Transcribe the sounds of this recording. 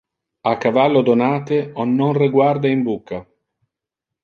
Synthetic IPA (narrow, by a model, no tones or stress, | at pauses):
akːavalːod̪onaːt̪eɔnːonriɡward̪aimbukːa